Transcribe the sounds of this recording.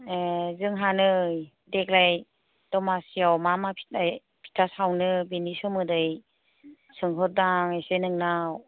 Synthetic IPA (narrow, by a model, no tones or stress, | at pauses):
ezɯŋɦanɯj | dek̚laj | dɔmasiawmamapʰi̥t̚aj | pʰi̥tʰasawnɯbenisɔmɯdɯj | sɯŋɦɔt̚daŋajsenɯŋnaw